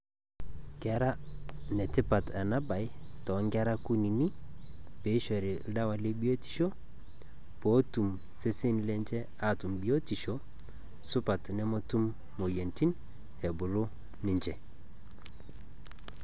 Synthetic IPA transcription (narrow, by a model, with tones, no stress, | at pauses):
ɡɛ˨ɾa˦nɛ˨ti˦pa˨ta˨na˦ba˨jtɔ˨˦ŋɡɛ˦ɾa˦ku˦ni˨ni˦pe˨˦ʃɔ˨ɾi˨lda˦wa˨le˦bi˦o˦ti̥˨ʃo˦ | po˦tu˨m | se˦se˦nlɛ˦nd͡ʒɛ˦ | a˨tu˨mbi˨o˦ti˨ʃɔ˦ | su˦pa˨tnɛ˦mo˦tu˦mː | o˨je˨nti˦n | ɛ˨bu˨lo˦ | ni˨ɲd͡ʒɛ˨